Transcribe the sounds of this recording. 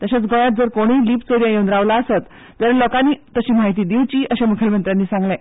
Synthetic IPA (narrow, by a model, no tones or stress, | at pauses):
t̪əɕat͡sɡʱoɭjat̪̚d͡zəɾkoɽ̃iːliːpt͡soɾjãjənd̪ɾaʋlaəset̪ | d͡zəɾəlɔkanːiːt̪əɕiːmaɦit̪̬iːd̪iʋt͡ɕiːʔəɕemukʰjəlmənt̪ɾanːiːsãŋɡlɛ̃